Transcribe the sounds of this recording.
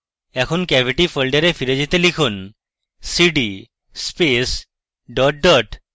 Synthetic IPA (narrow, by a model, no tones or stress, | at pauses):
ɛkʰonkɛbʱiʈifəlɖeɾefiɾed͡ʑit̪elikʰun | siɖi | spes | ɖɔʈ̚ɖɔʈ